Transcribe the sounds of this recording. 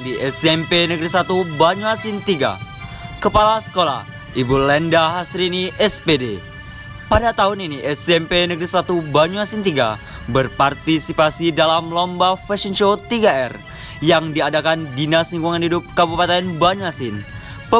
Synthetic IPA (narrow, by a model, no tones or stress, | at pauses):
diʔɛsɛmpenəɡɾisat̪ubaɲuasint̪iɡa̰ | kəpalasə̥kola̰h | ibulɛndaɦasɾiniʔɛspede | padat̪aɦʊniniʔɛsɛmpenəɡɾisat̪ubaɲuasint̪iɡa̰ | bərpart̪isipasidalamlɔmbafɛsənʃot̪iɡaɛr | jaŋdiadakandinasniŋɡuŋanhidʊp̚kabupat̪ɛnbaɲuasɪn | pə